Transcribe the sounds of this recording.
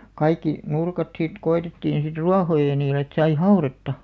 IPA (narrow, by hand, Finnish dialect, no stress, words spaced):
kɑikːi nurkɑt sit koetetːiːn̞ sit ruɑhojɑ niːlĕ et sɑi hɑuretːɑ